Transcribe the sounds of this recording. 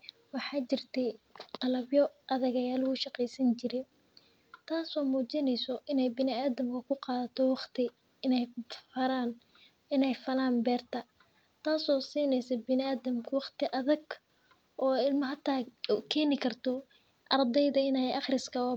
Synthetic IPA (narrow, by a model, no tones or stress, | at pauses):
wɑħɑːt͡ʃɪrt̪ʰɛjqɑlɐbjɔʔɐðɐɣɐjaːlwuːʃɑqɛjsɐnt͡ʃɪɾɪn | t̪ʰaːsɔːmuːt͡ʃɪnɛjsɔʔɪnɛjbɪnɪaːðɐmkʰʊkʰʊqɑːðɐt̪ʰɔwɑqt̪ʰɪ | ɪnɛjfɐɾaːn | ɪnɛjfɐlaːnbɛːrt̪ʰɐ | t̪ʰaːsɔːsiːnɛjsɐbɪnɪaːðɐmkʰʊwɑχt̪ʰɪʔɐðɐɡ | ʔɔːɪlmɐɦɐt̪ʰaːkʰɛːnɪkʰɐrt̪ʰɔ | ʔɑrd̪ɛjðɐɪnɛjʔɑχrɪskʰɐɔː